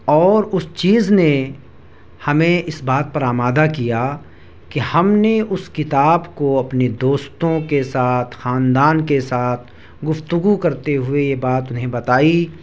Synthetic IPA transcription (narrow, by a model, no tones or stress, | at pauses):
ɔːɾʊst͡ʃiːzne | hɐmẽɪsbaːt̪̚pɐɾaːmaːd̪akija | kihɐmneʔʊskɪt̪aːbkoɐpned̪oːst̪õkesaːt̪ʰxaːnd̪aːnkesaːt̪ʰ | ɡʊft̪ʊɡukɐɾt̪eɦʊejebaːt̪ʊnɦẽbɐt̪aːi